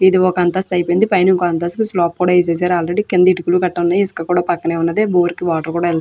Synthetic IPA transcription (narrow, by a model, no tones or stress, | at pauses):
id̪iɔkɐɐnt̪ɐst̪ɐjpejnd̪ipɐjniŋkoɐnt̪̬ɐskuslaːp̚kuːɽaːis̬eːs̬aːɾaːlɾeɖikend̪iʈukulukɐʈːɐunːɐjiskɐkuːɽaːpɐkːɐneːunːɐd̪eːboːɾikiʋaːʈɐɾkuːɽaːɛlt̪ː